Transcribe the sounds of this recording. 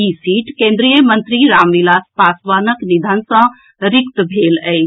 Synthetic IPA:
isiːʈkẽːnd̪ɾijəmə̃nt̪ɾiɾaːmʋilaːspaːsʋaːnəknid̪ʱansə̃ | ɾikt̪bʱeːlɛj

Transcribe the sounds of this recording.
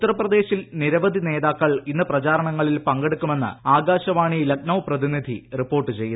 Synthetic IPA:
ut̪ːɐrɐprɐd̪e̞ːɕilniɾɐʋɐd̪ʱine̞ːðaːkːɐɭinːɨprɐt͡ɕaːɾɐɳɐŋːɐɭilpɐŋɡe̞ɽukːume̞nːɨ̰aːɡaːɕɐʋaːɳilɐk̚nɐʋprɐðinid̪ʱḭripːo̞ːrʈːɨt͡ɕe̞jːu

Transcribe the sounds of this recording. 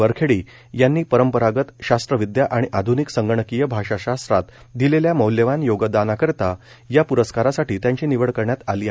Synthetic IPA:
əɾkʰeɽiː | janːiːpəɾəmpəɾaɡət̪ɕast̪ɾəʋid̪jaʔaɽ̃iʔad̪ʱuniksəŋɡəɳ̃əkijəbʱaɕaɕast̪ɾat̪ | d̪ileljaməwljəʋanjoɡəd̪anakəɾt̪a | japuɾəskaɾasaʈiːt̪jãɲt͡ɕiːniʋəɭkəɾɳjat̪aliːa

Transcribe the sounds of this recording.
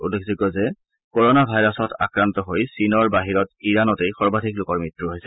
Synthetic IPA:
ṵlːekziɡɔzɛ | kɔɹɔnabʱajɹɔsɔtʰa̰kɹantɔɦojsinɔɹbaɦiɹɔtiɹanɔtejxɔɹbadʱiklʊkɔɹmitɹuɦojsɛ

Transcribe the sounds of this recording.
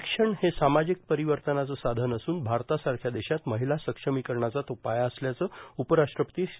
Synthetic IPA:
kʂəɳhesamad͡ʑik̚pəɾiʋəɾt̪ənat͡səːsad̪ʱənəsuːnbʱaɾt̪asaɾkʰjad̪eɕat̪məɦilasəkʂəmiːkəɾɳat͡sat̪opajaəsljat͡səːupəɾaʂt̪ɾəpət̪iː

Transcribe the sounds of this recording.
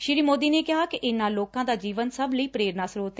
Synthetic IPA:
ʃɪɾiːmoːd̪iːneːkɪɦaːkɪʔɪnːãːloːkãːd̪aːd͡ʒiːʋənsəbləiːpɾeːɾnaːsɾoːt̪e

